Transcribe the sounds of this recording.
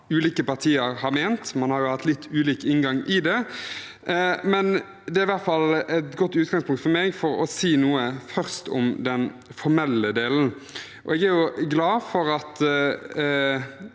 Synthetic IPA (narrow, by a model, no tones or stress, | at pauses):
ʉːliːkəpɑʁt̪ʰiːəɾhɑɾmeːnt̪mɑnhɑɾjʊhɑt̪ːlɪt̪ʰːʉːliːkɪnɡɑŋʔɪd̪ɛ | mɛn | d̪ɛæɾɪʋæʁt̪fɑlɛt̪ɡɔt̪ːʉːt̪ɡɑŋspʰʊŋkt̪fɔmɛːɡfɔɾɔsiːnuːəfœʁst̪ʊmd̪ɛn | fɔɾmɛlːəd̪eːln̩ | ʔɔ̰ɛɡæjʊɡlɑːfɔɾɑt̪